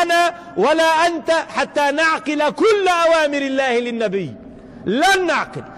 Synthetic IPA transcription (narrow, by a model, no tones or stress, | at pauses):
naː | walaːʔant̪aħat̪ːaːnaʕqɪlakʊlːaʔawaːmɪɾɪlːaːhɪlɪnːabɪjː | lanːaʕqɪl